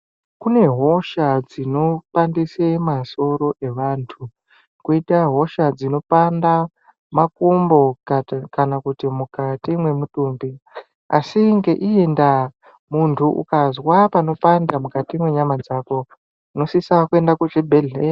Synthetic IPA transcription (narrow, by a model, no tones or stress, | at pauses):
kune̞ɦo̞ʃad͡zino̞pandisemaso̞ɾo̞ʔe̞ʋaːntʰu | kuitaɦo̞ʃad͡zino̞panda | mak̚umbo̞kanakutimukatimwe̞mutumbi | asiŋɡe̞ʔienda | muntʰuʔṵkazwapano̞pandamukatimwe̞ɲamad͡zako̞ | uno̞sisakue̞ndakuʐebʱeɮe